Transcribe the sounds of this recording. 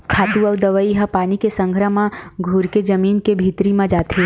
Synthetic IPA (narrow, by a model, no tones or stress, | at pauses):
kʰaːt̪uɐʋd̪əʋəiɦəpaːnikesə̃ŋɡʱɾəmãɡʱuɾked͡ʒɐmiːnkebʱiːt̪ɾimãd͡ʒaːt̪e